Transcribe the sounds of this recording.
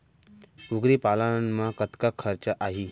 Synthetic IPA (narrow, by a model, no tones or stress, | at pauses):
uɡɾipalanmakət̪kakʰəɾt͡ɕəʔaɦi